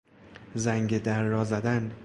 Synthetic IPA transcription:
zæŋɟed̪æɾːɒːzæd̪æn

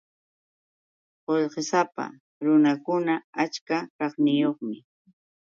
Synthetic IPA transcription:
qoʎqesapa̰ | ɾʊnakʊnaat͡ʃkakɑχnɪjoχmɪ

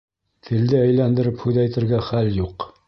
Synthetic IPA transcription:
t̪ʰɘ̆ld̪ɘæjlænd̪ɘ̆ɾɘphʉðæjt̪ɘ̆ɾɡæχæljuq

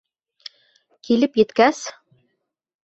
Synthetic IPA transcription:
kilɘpjɘ̆t̪kæs

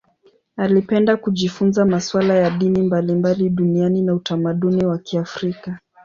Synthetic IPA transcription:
alipɛndakuʄifunzamaswalajaɗinimbalimbaliɗunianinautamaɗuniwakiafɾika

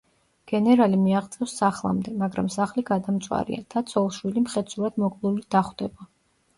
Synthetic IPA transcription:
ɡ̥ɛnɛɾalimiaʁt̪sʼɛfsːaχlˠa̰md̪ɛmaɡɾamsaχliɡad̪amt̪sʼwa̰ɾḭa̰d̪̥at̪sʰɔlˠʃwilimχɛt̪sʰuɾad̪̥mɔkʼvlˠulid̪aχd̪ɛba

